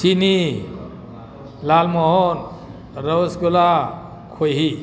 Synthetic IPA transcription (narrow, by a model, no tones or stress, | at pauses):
ini | lalmɔɦɔn | ɾɔwsɡula | kʰojɦi